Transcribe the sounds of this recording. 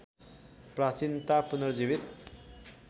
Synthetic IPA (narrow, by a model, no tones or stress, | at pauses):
prat͡sint̪apunʌrd͡zibit̪̚